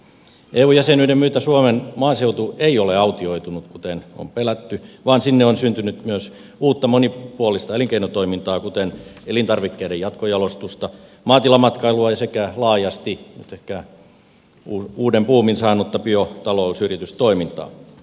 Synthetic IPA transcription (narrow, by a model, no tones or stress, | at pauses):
eːuːjæsenyidemmyːt̪æsuomenmoɑːseut̪ueioleɑut̪ioit̪unut̪kut̪eno̰mpelæt̪ːyʋɑːnsinːeonsynt̪ynyt̪myøs | uːt̪ːɑmonipuolist̪ɑeliŋkeinot̪oimint̪ɑːkut̪enelint̪ɑrʋikːeidejɑt̪kojɑlost̪ust̪ɑ | mɑːt̪ilɑmɑt̪kɑiluɑjɑsekælɑːjɑst̪inyt̪ehkæ | uːuːdempuːminsɑːnut̪ːɑpyot̪ɑlousyrit̪yst̪oimint̪ɑ̰ː